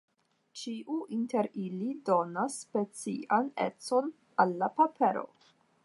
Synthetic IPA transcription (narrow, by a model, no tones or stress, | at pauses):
t͡ʃiʔuʔinte̞ɾilido̞nasːpe̞t͡siʔanḛt͡so̞n | alːapapʰe̞ɾo̞̰